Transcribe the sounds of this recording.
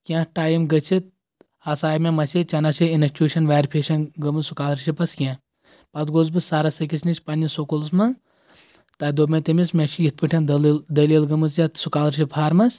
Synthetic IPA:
kʲãːʈaːjimɡɐt͡ʃʰit̪̚ | ɐsaːjmemɐsit͡ʃɐnɐsiinɐkt͡ʃuːʃɐnʋaːɾʲpʰeːʃɐnɡɐmɨzsukaːlɾʃipɐskʲãː | pɐt̪ɡoːzbɨsaːɾɐsɐkisʰnisʲpɐnʲisokolsmɐ | t̪ɐːd̪oːmʲẽt̪emismʲet͡ʃʰijit̪̚pɨʈʰʲɐnd̪ld̪ɐliːlɡɐmɨsjat̪sukaːlɾʃ̬ʰipʰaːɾmɐsʲ

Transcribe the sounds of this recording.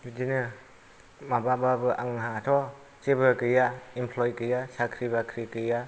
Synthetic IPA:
bidinɯ | mabababɯʔaŋɦatʰɔ | t͡ʃebɯkɯjaimpʰlɔjkɯjasakʰɾibakʰɾikɯja

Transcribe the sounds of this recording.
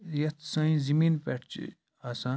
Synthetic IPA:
jɐt̪sãĩzimiːnpeʈt͡ʃḭ | aːsãː

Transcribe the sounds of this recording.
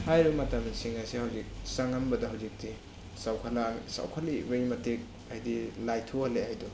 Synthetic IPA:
hajɾbɐmɐtamsiŋasehawzik̚saŋambɐdɐɦawzik̚ti | sawkʰalasa̰wkʰalibɐjmɐtik̚ | ajdilajtʰuhalehajdu

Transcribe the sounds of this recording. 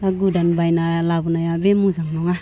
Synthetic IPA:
t̪aɡudanbajnalabunajabemud͡ʒaŋnɔŋa

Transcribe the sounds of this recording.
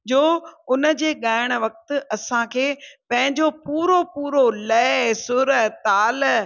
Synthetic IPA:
d͡ʑoːʊnə̆d͡ʑeːɠaːɪɽ̃ə̆ʋɐk̚t̪ʊ̆ɐsãkʰeːpɐ̃ɦɪ̃ɲd͡ʑopuːɾopuːɾolɐsʊɾət̪aːl

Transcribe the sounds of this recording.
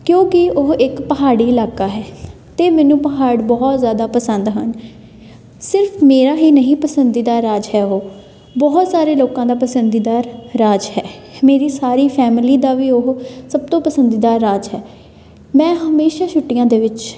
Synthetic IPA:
kjõːkɪʊɦɪkpəɦaːɽiːɪlaːkaːɦɛː | t̪eːmɛːnũːpəɦaːɽbɔːt̪zjaːd̪aːpəsə̃nd̪ɦən | sɪɾpʰmeːɾaːɦiːnəɦĩːpəsənd̪iːd̪aːɾːaːd͡ʒɦɛːoː | bɔːt̪saːɾeːloːkãːd̪aːpəsənd̪iːd̪aːɾːaːd͡ʒɦɛːmeːɾiːsaːɾiːpʰɛːmɪliːd̪aːʋiːoɦsəb̚t̪õːpəsənd̪iːd̪aːɾːaːd͡ʒɦɛː | mɛ̃ːɦəmeːʃaːt͡ʃʰʊʈːɪjãːd̪eːʋɪt͡ʃ

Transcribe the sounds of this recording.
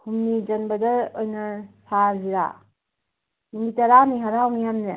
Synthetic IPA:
kumnid͡ʒɐnbɐdɐojnɐsʰaziɾa̰ | imɡitɐɾaniɦaɾawmijamnɯ

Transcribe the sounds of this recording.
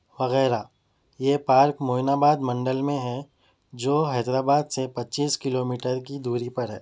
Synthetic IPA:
ʋɐɣɛːɾa | jeːpaːɾkmoːɪnaːbaːd̪mɐ̃ɳɖəlmẽɦɛ̃ | d͡ʒoːɦɛːd̪ɾaːbaːd̪sepɐtːt͡ʃiːskɪloːmiːʈəɾk̬id̪uːɾipɐɾɦɛː

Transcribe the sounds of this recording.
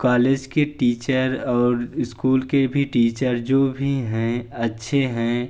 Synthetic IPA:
kaːleːd͡ʒkeʈiːt͡ʃəɾɔːɾɪskuːlkebʱiʈiːt͡ʃəɾd͡ʒoːbʱiɦɛ̃ɐtːʃʰeɦɛ̃

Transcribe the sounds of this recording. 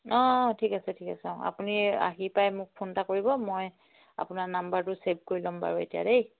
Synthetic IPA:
ɔtʰikasɛtʰikasãa̰punia̰ɦipajmʊk̚pʰontakoɹibɔmoj | a̰pʊnanambaɹtʊseb̚koɹilɔmba̰ɹuḛtija̰dej

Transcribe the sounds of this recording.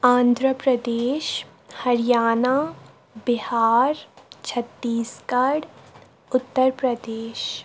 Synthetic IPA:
ãːnd̪ʱɾəpɾəd̪eːʃ | hɐɾɪjaːna | bɪhaːɾt͡ʃʰɐt̪ːiːskɐɽ | ʊt̪ːəɾpɾəd̪eːʃ

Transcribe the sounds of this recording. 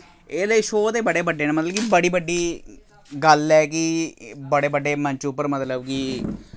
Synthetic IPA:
eːləiːʃoːd̪eːbəɽeːbəɖːeːneːmət̪ləbkibəɽiːbəɖːiː | ɡəlɛːkɪbəɽeːbəɖːeːmə̃ɲt͡ʃʊpːəɾmət̪ləbkɪ

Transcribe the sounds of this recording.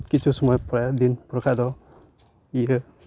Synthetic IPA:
kit͡ʃʰusɔmɔjpɾajad̪inpɾkʰad̪ɔ | iə

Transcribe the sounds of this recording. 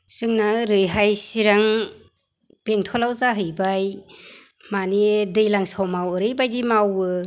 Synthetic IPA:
sɯŋnaɾɯjɦajsiɾaŋ | bentʰɔlawzaɦɯjbaj | manidɯjlaŋsawmawɯɾɯjbajdimawɯ

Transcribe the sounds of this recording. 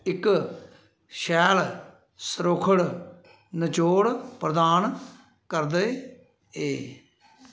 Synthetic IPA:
ɪk | ʃɛːl | səɾoːkʰəɽ | nət͡ʃoːɽpɾəd̪aːn | kəɾd̪e | eː

